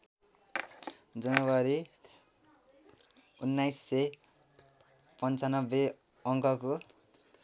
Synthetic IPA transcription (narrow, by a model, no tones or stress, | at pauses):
d͡zʌnʌwʌɾi | unːajsːe | pʌnt͡sʌnʌbːe | ʌŋkʌko